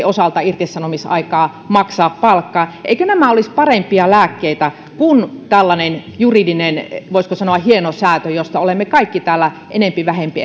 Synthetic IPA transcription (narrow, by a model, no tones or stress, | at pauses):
osɑlt̪ɑirt̪isːɑnomisɑ̰ikɑː | mɑksɑːppɑlkːɑːʔḛikønæmæolispɑrempiɑlæːkːeit̪æ | kunt̪ælːɑnenjuridinenʋoiskosɑnoɑhienosæːt̪øjost̪ɑolemːekɑikːit̪æːlːæ | ʔenempiʋæhempi